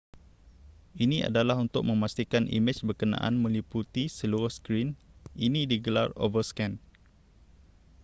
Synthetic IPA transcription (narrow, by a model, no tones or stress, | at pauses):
inia̰dalaɦunt̪ʊk̚mə̃mast̪ikanḭmɪt͡ʃbərkənã̰ʔa̰nmə̃liput̪isəluɾʊhskɾininĩdiɡəlaro̰vəskɛn